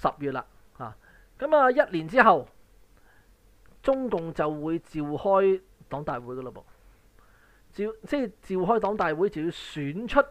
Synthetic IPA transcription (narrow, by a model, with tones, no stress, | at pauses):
sɐ˨p̚jyː˨t̚la̰ː˧ | ha̰ː˨ | kɐ˨˦maː˨˧jɐ˥t̚liː˨˩nt͡siː˥ɦɐ˨w | t͡sʊ˥ŋkʊ˨ŋt͡sɐ˨wwuː˨˧jt͡siː˨whɔː˥j | t̪ɔː˨˥ŋt̪aː˨jwuː˨˥jkɔː˧lo˨˧˩po̰˨w | t͡si˨wt͡sɛː˥t͡siː˨wɦɔː˥jt̪ɔː˨˥ŋt̪aː˨jwuː˨˥jt͡sɐ˨˩wjuː˨˧syː˨˥nt͡ʃʰɵ˥t̚